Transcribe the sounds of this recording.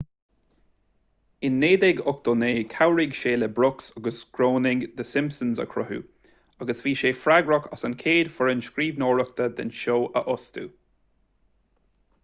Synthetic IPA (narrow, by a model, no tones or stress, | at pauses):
ɪnːeːd̪ɛɡʊk̚t̪oːneːkʰawɾɪɡʃeːləbɾʊksaɡəsɡɾoːnɪɡd̪əsɪmpsənzə̰kʰɾʊɦṵ | aɡəsviːʃeːfɾaɡɹɔkʰɔsənkʰeːd̪fəɹənskɾiːvnoːɹək̚t̪əd̪ɪ̰nʃoːʔə̰ʔʊst̪ṵ